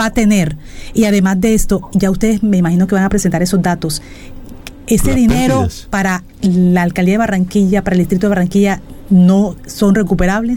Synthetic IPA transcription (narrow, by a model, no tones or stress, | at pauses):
at̪e̞ne̞ɾ | iaðe̞mazðe̞est̪o̞ʝaust̪eðezme̞imaxino̞ke̞βaŋapɾesent̪aɾe̞so̞zd̪at̪o̞s | e̞se̞ðine̞ɾopaɾa | laːlkald̪iaðearaŋkiʝapaɾaeld̪ist̪ɾit̪oaraŋkiʝa | no̞so̞nre̞kupe̞ɾaβle̞s